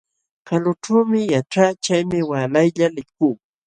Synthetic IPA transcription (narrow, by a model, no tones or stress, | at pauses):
kalʊʈ͡ʂawmɪjaʈ͡ʂat͡ʃajmɪwalajʎalɪkuː